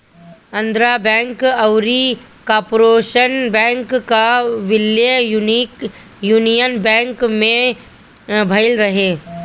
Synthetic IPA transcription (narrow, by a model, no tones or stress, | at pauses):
ɐ̃nd̪ɾabɛ̃ːŋkɐʊɾi | kaːɾpːɾoːʃənbɛ̃ːŋkkaʋɪljənik | juːnijənbɛ̃ːŋkmẽ | bʱɐɪlɾɐɦeː